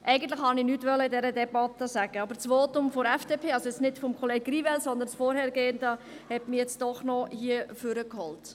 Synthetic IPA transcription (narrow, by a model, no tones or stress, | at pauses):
ʔɛɪɡən̩tlɪχhɑnɪnyːtʋœləɪdɛɾədɛbɑtːəsæɡ̥əɑbəɾt͡sʋoːtʊmfɔɾɛfd̥epʰeːɑlsojɛt͡snɪtfɔmkʰɔleːɡ̥̚rivɛlsɔnd̪ənsfɔːɾhɛɾɡ̥eːəndə | hɛtmɪjɛt͡sd̥ɔχnɔhiəfʏɾəkhɔlt